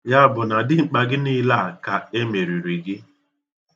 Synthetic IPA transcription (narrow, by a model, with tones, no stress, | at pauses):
ja˦bʊ˨na˨dɪ˦ŋ͡m̩˨k͡pa˨ɡɪ˦ni˦la˦˨ka˨e˦me˨ɾi˨ɾi˨ɡɪ˦